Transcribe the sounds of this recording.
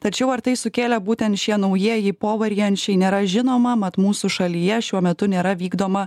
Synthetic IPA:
t̪ɐt͡ʃʲɛʊɐɾt̪ɐɪsʊkʲeːlʲɛbuːt̪ʲɛnt̪ʃʲiɛnɐʊjiɛjɪpoːʋɐɾʲijɛnʲt͡ʃʲɛɪneːɾɐʒʲɪnoːmɐmɐt̪muːsuʃɐlʲijɛʃʲuɔmʲɛt̪ʊnʲeːɾɐʋʲiːɡd̪oːmɐ

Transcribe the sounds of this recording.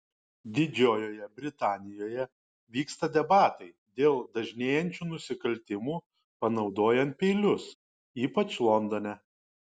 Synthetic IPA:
d̪ʲɪd͡ʒʲoːjoːjɛbʲɾʲɪt̪ɑːnʲɪjoːjɛ | ʋʲiːkst̪ɐd̪ʲɛbɑːt̪ɐɪ | d̪ʲeːlˠd̪ɐʒʲnʲeːjɛnʲt͡ʃʲuːnʊsʲɪkɐlʲt̪ʲɪmuː | pɐnɒʊd̪oːjɛnt̪̚pʲɛɪlʲʊs | iːpɐt͡ʃlˠɔnd̪ɔnʲɛ

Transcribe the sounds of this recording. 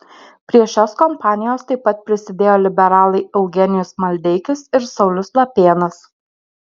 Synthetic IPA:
pʲɾʲiɛʃʲoːskɔmpɑːnʲɪjoːst̪ɐɪpːɐt̪̚pʲɾʲɪsʲɪd̪ʲeːjoːlʲɪbʲɛɾɑːlˠɐɪɐʊɡʲɛnʲɪjʊsmɐlʲd̪ʲɛɪkʲɪsɪɾsɒʊlʲʊslˠɐpʲeːnɐs

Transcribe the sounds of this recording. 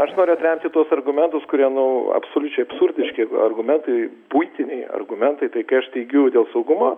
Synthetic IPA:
ɐʃnoːɾʲʊɐt̪ʲɾʲɛmʲt̪ʲɪt̪uɔsɐrɡʊmʲɛnt̪ʊskʊɾʲiɛnɐɐ̰psoːlʲʊt͡ʃʲɛɪɐpsʊɾʲd̪ʲɪʃʲkʲɪɐ̰rɡʊmʲɛnt̪ɐɪ | buɪt̪ʲɪnʲɛɪɐ̰rɡʊmʲɛnt̪ɐɪt̪ɐɪkɐɪɐʃt̪ʲɛɪɡʲɛʊd̪ʲeːlˠsɐʊɡʊmoː

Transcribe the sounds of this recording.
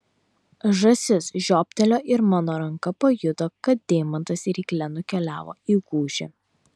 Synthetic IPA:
ʒɐsʲɪsʒʲoːpʲt̪ʲɛlʲoːʔɪɾmɑːnoːɾɐŋkɐpɐjʊd̪okɐt̪̚d̪ʲeːmɐnt̪ɐsʲɪɾʲiːklʲɛnʊkʲɛlʲæːʋo̰ːiːɡuːʒʲɪ̰

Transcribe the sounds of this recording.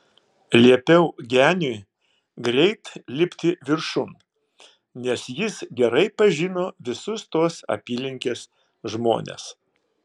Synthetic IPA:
lʲiɛpʲɛʊɡʲæːnʲʊ | ɡɾʲɛɪt̪lʲɪpʲt̪ʲɪʋʲɪɾʃʊn | nʲɛsjɪsɡʲɛɾɐɪpɐʒʲɪnoːʋʲɪsʊst̪oɔsɐ̰pʲiːlʲɪŋʲkʲeːs | ʒmo̰ːnʲḛs

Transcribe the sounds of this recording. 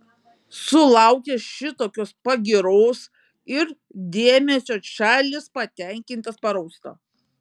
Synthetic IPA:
sʊlˠɐˑʊkʲeːʃʲɪt̪oːkʲoːspɐɡʲɪɾoːs | ɪɾ | d̪ʲeɛmʲɛsʲoːʃʲæːlʲɪspɐt̪ʲɛŋʲkʲɪnʲt̪ʲɐspɐɾɐʊst̪o̰ː

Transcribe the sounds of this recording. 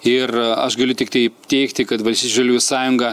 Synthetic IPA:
ɪrɐʃɡɐlʲʊt̪ʲɪk̚t̪ɐɪt̪ʲɛɪkt̪ʲɪkɐt̪ʋɐlʲsʲiːt͡ʃʲːʒɐlʲuːjsɑːjʊŋɡɐ

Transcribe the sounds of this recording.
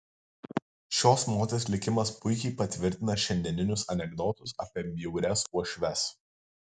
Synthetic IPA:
ʃʲoːsmoːt̪ʲeːsʲlʲɪkʲɪmɐspʊɪkʲɛɪpɐt̪ʲʋʲɪɾʲt̪ʲɪnɐʃʲɛnʲd̪ʲɛnʲɪnʲʊsɐnʲɛɡd̪ɔt̪ʊsɐ̰ːpʲiɛmʲjɛʊɾʲɛsuɔʃʲʋʲɛs

